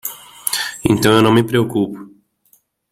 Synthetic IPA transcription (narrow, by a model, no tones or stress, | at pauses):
ẽnt̪ɐ̃w̃ewnɐ̃w̃mɪpɾeokupʊ̥